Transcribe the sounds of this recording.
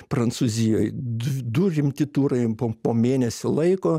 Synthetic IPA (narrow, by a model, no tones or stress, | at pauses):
pɾɐnt̪suːzʲɪjoːjdd̪ʊɾʲɪmʲt̪ʲɪt̪uːɾɐɪpoːpoːmʲeːnʲɛsʲʊlˠɐɪkoː